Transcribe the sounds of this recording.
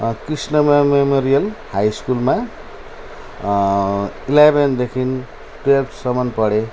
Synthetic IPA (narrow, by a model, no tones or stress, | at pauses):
krisnʌmememoɾijʌlhajskulma | ilebend̪ekʰin | ʈep̚ʈsʌmʌnpʌɽe